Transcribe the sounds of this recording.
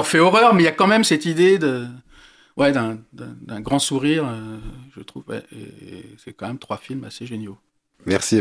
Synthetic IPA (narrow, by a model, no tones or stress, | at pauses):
ɔ̃fɛɔʁœʁmɛiljakɑ̃mɛmsɛt̪id̪ed̪ə | wʔɛd̪ɛ̃d̪ɛ̃d̪ɛ̃ɡʁɑ̃suʁiʁøʒət̪χṵvwɛ̰ḛesɛkɑ̃mɛmt̪χwafilma̰seʒenjo | mɛʁsi